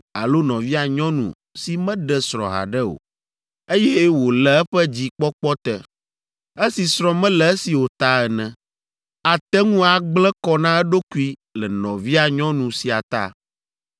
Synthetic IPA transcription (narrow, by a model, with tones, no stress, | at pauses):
a̰˨lo˦nɔ̃˨vi˦a˨ɲɔ̃˦nṵ̃˨ | si˨mɛ̃˦ɖɛ˨sɾɔ̰̃˨ɦa̰˨ɖɛ˦o̰˨ | e˦jɛ˦wo˨lɛ˨ɛ˦ɸɛ˦d͡ʑi˦k͡pɔ˦k͡pɔ˦t̪ɛ˨ | e˦si˨sɾɔ̃˦mɛ̃˦lɛ˨ɛ˦si˨wo˨t̪a˦ɛ˨nɛ̃˨ | a˨t̪ɛ˦ŋũ˦a˨ɡ͡blɛ˦kɔ˦nã˦ɛ˦ɖo˦ku˦i˦lɛ˨nɔ̃˨vi˦a˨ɲɔ̃˦nũ˨si˨a˨t̪a̰˦